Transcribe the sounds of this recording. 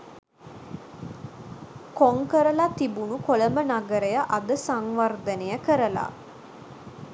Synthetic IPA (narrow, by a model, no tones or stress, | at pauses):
koŋkəɾəlat̪ibunukoləmənaɡəɾejəʔad̪əsaŋʋard̪ənejəkəɾəla̰